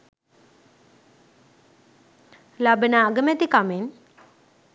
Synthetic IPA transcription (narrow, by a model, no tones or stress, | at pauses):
labənaːɡəmet̪ikamen